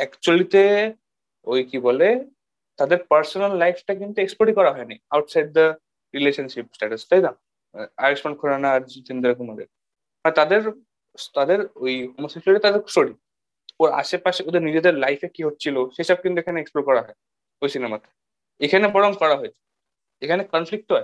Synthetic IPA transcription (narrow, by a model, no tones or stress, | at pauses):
ɛkt͡ɕualit̪e | ojkibɔle | t̪ad̪eɾpəɾsɔnalːajfʰʈakint̪uekspoʈikɔɾaɦɔenajawʈsajɖ̚d̪ə | ɾileʃənʃipsʈɛʈəst̪aɦjd̪a | aɾikspɔɳ̚kʰoɾanaɾut̪ind̪ɾakumad̪eɾ | maɾt̪ad̪eɾ | t̪ad̪eɾoiɦomosekleʈet̪ad̪eɾsʈoɽi | oɾa̰ʃepaseod̪eɾnid͡ʑed̪eɾlajfʰekiɦot̪̚t͡ɕʰiloʃeɦisəb̚kint̪uekʰaneeksploɾkɔɾaɦɔe | ojsinemat̪e̥ | ekʰanebɔɽɔŋkɔɽaɦojt͡ʃʰe̥ | ekʰanekɔnfʰlik̚ʈɦae